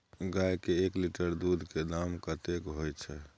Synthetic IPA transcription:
ɡajkeːkliʈəɾd̪ud̪ʱked̪amkət̪ekɦojt͡ʃʰɛ

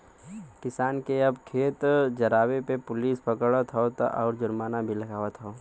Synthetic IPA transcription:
kɪsaːnkeɐbkʰeːt̪d͡ʒɐɾaːwepepʊliːspəkəɽət̪ɦɔt̪ʔɔ̰ːɾd͡ʒʊɾmaːnabʱilɐɡaːʋət̪ɦɔː

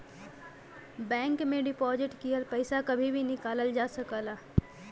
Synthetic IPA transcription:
bɛ̃ːŋkmẽɖɪpɔːzɪʈkiəlpɛɪsakɐbʱibʱinɪkaːləld͡ʒaːsɐkaːlaː

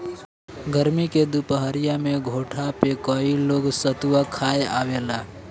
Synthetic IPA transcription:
ɡəɾmiked̪upəɦəɾɪjamẽɡʱoːʈʰapekɔiloːɡsət̪uwakʰaːeaːʋeːlaː

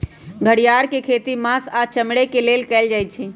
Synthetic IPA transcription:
ɡʱəɽijaɾkekʰet̪imãsat͡ʃəmɽekelelkɛld͡ʒajt͡ʃʰi

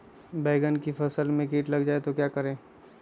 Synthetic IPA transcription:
beːɪɡənkifʰɐsəlmẽkiːʈlɐɡd͡ʒaːet̪okjakəɾẽː

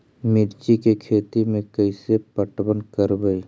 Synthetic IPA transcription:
mɪɾt͡ʃikekʰeːt̪imẽkəɪsepəʈbənkəɾbəi

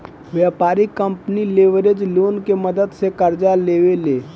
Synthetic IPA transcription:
ʋjapaɾikːəmpnileʋɾed͡ʒlonkeməd̪əd̪sekəɾd͡ʒaleʋele

